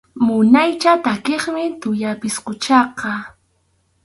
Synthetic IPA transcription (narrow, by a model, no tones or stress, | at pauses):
mʊnajt͡ʃat̪akeχmɪt̪ʊjapɪsqʊt͡ʃɑqɑ